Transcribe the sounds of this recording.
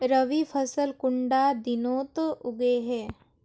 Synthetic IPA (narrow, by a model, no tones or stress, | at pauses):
ɾəʋipʰəsəlkʊ̃ɳɖad̪ɪnoːt̪ʊɡeɦɛː